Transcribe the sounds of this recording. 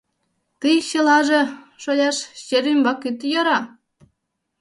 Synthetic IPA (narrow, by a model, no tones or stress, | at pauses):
t̪ɯjɕelɑʒĕʃojʲɑʃɕeɾymbɑkyt̪joɾɑ